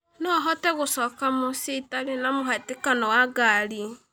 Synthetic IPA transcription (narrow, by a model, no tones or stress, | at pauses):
nɔɦɔtɛɣosɔːkamositaɾenamoɦatekanɔwaɡaɾi